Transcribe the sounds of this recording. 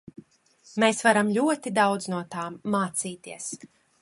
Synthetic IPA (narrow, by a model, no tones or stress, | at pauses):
mesvaɾamlʲuɔt̪id̪awd̪znuɔt̪aːmːaːt̪siːt̪iɛəs